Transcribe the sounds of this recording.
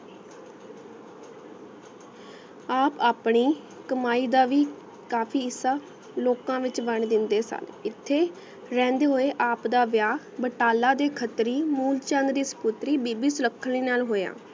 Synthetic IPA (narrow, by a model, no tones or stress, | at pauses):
aːpaːpɳiː | kəmaːiːd̪aːʋiː | kaːpʰiːɪsaː | loːkãːʋɪt͡ʃbəɳd̪ɪnd̪eːsa̰lɪt̪ʰːeː | ɾɛ̃ːnd̪eːɦoːeːʔaːpd̪aːʋjaː | bəʈaːlãːd̪eːkʰət̪ɾiːmuːlt͡ʃãːnɾiːsə̥pʊt̪ɾiːbiːbiːsʊləkʰːəlĩːnaːlɦoːjã̰ː